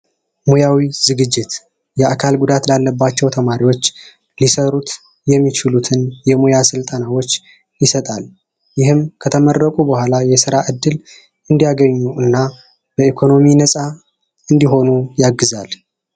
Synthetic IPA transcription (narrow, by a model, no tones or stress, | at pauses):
mojawizɨɡɨd͡ʒːɪt̪ | jɛʔakʰalɡud̪at̪lalːəbːat͡ʃːɛwt̪ʰəmaɾiwo̞t͡ʃː | lisəɾut̪ | jɛmːit͡ʃɪlut̪ʰɨnjɛmojasɨlt̪ʼənawot͡ʃː | jɪsət̪ʼal | jɪhɨmkʰət̪ʰəmərːəkʼubəhʷalajɛsɨɾaʔɨd̪ːɨl | ɨnd̪ijaɡəɲːuʔɨnːa | b̥əikʰo̞no̞minəsʼa | ɨnd̪iɦo̞nujaɡːɨzal